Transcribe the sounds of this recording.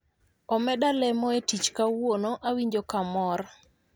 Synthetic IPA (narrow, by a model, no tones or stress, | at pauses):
ɔmɛdalɛmɔetit͡ʃkawwonoʔawiɲd͡ʒokamɔɾ